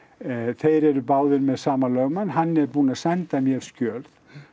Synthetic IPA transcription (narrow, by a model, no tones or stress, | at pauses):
θejɾɛɾʏpaːwðʏɾmɛðsaːmalœːɣmanːɦanːɛɾpuːnasɛnt̪amjɛɾ̥scœːlθ